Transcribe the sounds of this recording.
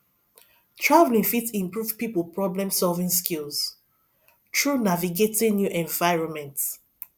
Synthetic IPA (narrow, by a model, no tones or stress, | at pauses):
tʰɹavlĩŋfitĩmpɹuvpipəlpɹɔblɛ̃msɔlvĩŋskilˠs | tʰɹunaviɡetĩnjuʔɛ̃ɱvaɪɹɔ̃nmɛ̃nt